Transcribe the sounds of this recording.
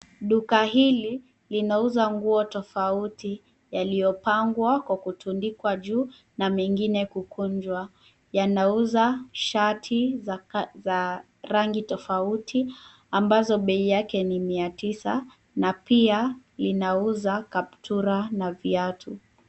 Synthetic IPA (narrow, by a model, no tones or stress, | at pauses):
ɗukaɦili | linauzaŋɡuɔtɔfauti | jalijɔpaŋɡwakwakutʰundikwaʄuː | namɛŋɡinɛkukuɲd͡ʒwa | janauzaʃatʰi | za | ɾaŋɡitɔfautʰi | ambazɔɓɛijakɛnimiatisa | napia | linauzakap̚tʰuɾanaviatʰu